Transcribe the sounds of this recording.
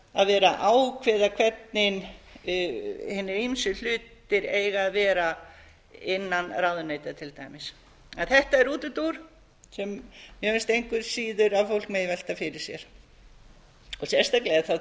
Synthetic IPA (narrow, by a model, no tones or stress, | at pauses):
aðvɛːɾaʔaːwkʰvɛːðakʰvɛt̪nɪn | hɪnːɪɾimsʏl̥ʏːt̪ɪɾeːjɣaːðvɛːɾa | ɪnːanrawðʏnejt̪at̪ʰɪlt̪aːjmɪs | ɛnθɛht̪aɛɾuːt̪ʏt̪uɾ̥ | sɛmːjœːʏnst̪ejŋkvʏɾsiːðʏɾaðfowl̥kmejvɛl̥t̪afɪɾɪɾ̥sjɛ̰ɾ̥ | ɔsjɛst̪aklɛθa